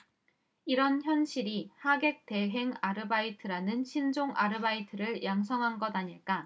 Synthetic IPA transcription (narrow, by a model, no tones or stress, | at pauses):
iɾʌnçjʌnɕʰiɾihaɡe̞k̚te̞ɦe̞ŋaɾɯbaitʰɯɾanɯnɕʰind͡ʑoŋʔaɾɯbaitʰɯɾɯɭjaŋsʰʌŋɦanɡʌdaɲiɭk͈a